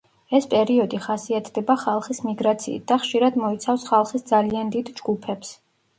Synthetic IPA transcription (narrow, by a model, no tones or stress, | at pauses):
ɛspʼɛɾiɔd̪iχasiat̪ʰd̪ɛbaχalˠχismiɡɾat̪sʰḭːt̪̚d̪̥aχʃiɾad̪mɔit̪sʰafsχalˠχisd̪zaliand̪id̪d͡ʒɡupʰɛps